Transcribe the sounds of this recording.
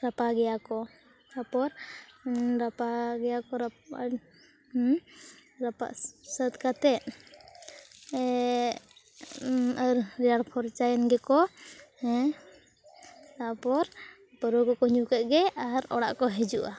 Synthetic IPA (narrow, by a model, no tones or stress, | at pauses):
ɾapaɡɛjakɔ | t̪apɔɾ | ɾapaɡɛjakɔɾa | ɾapa̰ʔsət̪kat̪ɛt̪̚ | əɾɾɛjaɽpʰɔɾt͡ʃajɛnɡɛkɔhɛ | t̪aʔpɔɾ | pəɾɔkɔkɔɲukəʔ̪̚ɡɛaɾɔ̰ɽa̰ʔkɔɦɛd͡ʒuʔa